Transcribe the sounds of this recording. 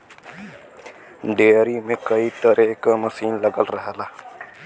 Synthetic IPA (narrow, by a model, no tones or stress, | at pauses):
ɖeːɾimẽkəiʈ̪əɾʔeːkaməsiːnləɡəlɾəɦlaː